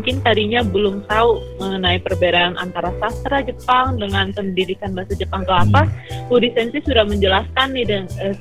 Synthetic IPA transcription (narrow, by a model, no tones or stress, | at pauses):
ŋkɪnt̪aɾiɲabəlʊmt̪auməŋənaipərbeɾaːnʔa̰nt̪aɾasast̪ɾad͡ʒəpaŋdəŋankəndidikanbasad͡ʒəpaŋkəlapahudisɛnsisudahməɲd͡ʒəlaskanːɪhdanə